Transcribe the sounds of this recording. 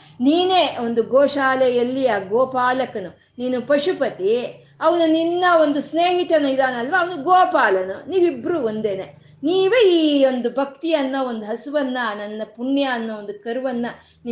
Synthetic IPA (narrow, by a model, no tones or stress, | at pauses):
niːneːo̞nd̪uɡɔːʃaːlɛjɐlːijaːɡɔːpaːlɐkɐnu | niːnupɐʃupɐt̪i | ɐʋɐnuninːɐo̞nd̪usneːɦit̪ɐnuid̪aːnɐlːʋaːɐʋɐnuɡɔːpaːlɐnuniːʋibɾuond̪ene | niːʋeiːo̞nd̪ubʱɐk̚t̪ijɐnːɐo̞nd̪uɦɐsuʋɐnːɐnɐnːɐpuɳjɐːnːɐo̞nd̪ukɐɾuʋɐnːɐ | ni